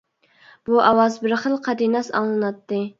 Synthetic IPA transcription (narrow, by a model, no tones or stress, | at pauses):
b̥uʔɑwɑzbɪɾχəlˠqʰɑd̪inɑsɑ̰ŋlˠɨnɑt̪ːɨ